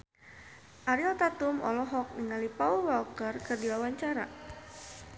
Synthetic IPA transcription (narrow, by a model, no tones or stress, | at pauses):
ʔaɾiɔlt̪at̪umɔ̰lɔɦɔk̚niŋalipauwalkərkɨrdiwawaɲt͡ʃaɾa